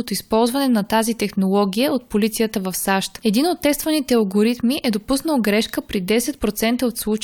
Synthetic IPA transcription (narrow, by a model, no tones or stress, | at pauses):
ot̪oispɔlˠzvɐnɛnɐt̪azit̪ɛxnolˠɔɡʲijəot̪̚polit̪sijət̪əvɐfsaʃt̪ɛd̪inot̪ːɛst̪vɐnit̪ɛɐlˠɡoɾit̪miʔɛd̪opusnəlˠɡɾɛʃkəpɾid̪ɛsɛt̪̚pɾot̪sɛnt̪əot̪slˠut͡ʃ